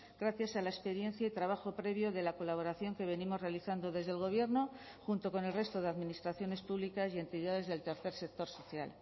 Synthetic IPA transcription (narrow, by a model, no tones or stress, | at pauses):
ɡɾaθjasalaespe̞ɾje̞n̟θjait̪ɾaβ̞axo̞pɾe̞β̞jo̞ðe̞lako̞laβ̞o̞ɾaθjo̞ŋke̞β̞e̞nimo̞zre̞aliθand̪o̞ðe̞zðelɣ̞o̞β̞je̞ɾno̞ | xunt̪o̞ko̞ne̞lre̞st̪o̞ðe̞aðminist̪ɾaθjo̞ne̞spuβlikasje̞nt̪iðaðe̞zðe̞lt̪eɾθe̞ɾse̞k̚t̪o̞ɾso̞θja̰l